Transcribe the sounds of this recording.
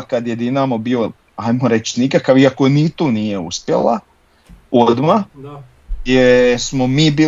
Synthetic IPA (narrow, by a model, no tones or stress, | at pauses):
kad̪jed̪inamobiːo | ajmoɾe̞t͡ʃnikakaʋiakonit̪uːnije̞uspjḛlˠa̰ | od̪ma | jesmomiːbiː